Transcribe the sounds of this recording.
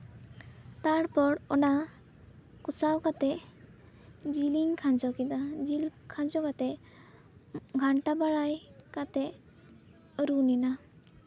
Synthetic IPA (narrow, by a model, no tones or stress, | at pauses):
t̪aɽpɔɽɔna | kusawkat̪ɛ | d͡ʒiliŋkʰãd͡ʒɔkid̪ad͡ʒilkʰãd͡ʒɔkat̪ɛ | ɡʱaɳʈabaɽajkat̪ɛ | ɾunina